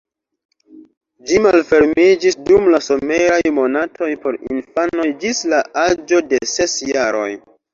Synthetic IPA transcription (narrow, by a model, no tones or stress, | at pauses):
d͡ʒimalfe̞ɾmid͡ʒisdumlaso̞meɾajmo̞natʰo̞jpo̞ɾḭnfano̞jd͡ʒislaad͡ʒo̞de̞se̞sjaɾo̞̰j